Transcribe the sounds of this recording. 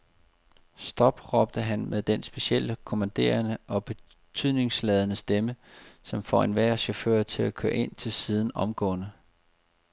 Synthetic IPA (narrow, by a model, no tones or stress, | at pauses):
sd̥ɒ̽b̥ʁɒ̽b̥d̥əɦænmʔeðˠd̥ensb̥e̝ɕiel̰əkʰo̝mænd̥e̝̰ːɐnəʔɒ̽b̥e̝ | t͡sʰyð̰ˠne̝ŋslɛð̞ˠnəsd̥eməsɒ̽mfɒ̰e̝nʋæɐ̰ɕofø̰ːɐt͡sʰe̝lækʰøɐʔe̝n̰t͡sʰe̝lsið̞ˠn̩ɒ̽mɡ̥ɔ̰̽ːnə